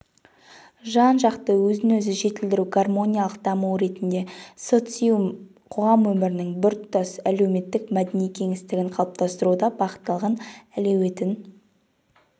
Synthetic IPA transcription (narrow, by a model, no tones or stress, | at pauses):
ʒɑnʒɑqt̪əwɵzɪnɵzɪʒe̞t̪ɪld̪ɪɾuɡarmo̞nʲijalˠəq̚d̪̥ɑmuwɾe̞t̪ɪnd̪e̞so̞t̪sijum | qʰo̞ʁɑmwɵmɪɾɪnɪŋbʏɾt̪ʰːɑsæle̞wme̞t̪ːɪkmæd̪enijkʲʰe̞ŋɪst̪ɪɡʲɪɴqʰɑlˠəp̚t̪ɑst̪əɾud̪ɑbɑqə̥t̪ːɑlˠʁənæle̞we̞t̪ɪn